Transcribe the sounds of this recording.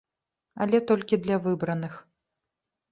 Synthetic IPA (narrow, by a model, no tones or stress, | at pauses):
ɐlʲɛt̪ɔlʲkʲid̪lʲɐvɨbɾɐnɨx